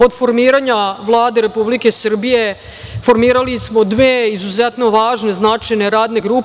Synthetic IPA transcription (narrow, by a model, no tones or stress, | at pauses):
od̪fo̞ɾmiːɾaɲaʋlˠaːd̪e̞ɾe̞publike̞sr̩bije̞ | fo̞ɾmiːɾalismo̞d̪ʋeːizuzet̪no̞ʋaːʒne̞znaːt͡ʃejneɾaːd̪ne̞ɡɾuː